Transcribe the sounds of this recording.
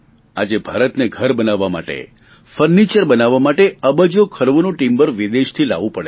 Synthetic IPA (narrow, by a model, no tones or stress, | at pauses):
a̰d͡ʒebʱaɾət̪neɡʱəɾbənaʋːama̰ʈḛ | fəɾnit͡ʃəɾbənaʋːamaʈeəbəd͡ʒokʰəɾʋonõʈimbəɾʋid̪eʃt̪ʰila̰ʋũpəɽe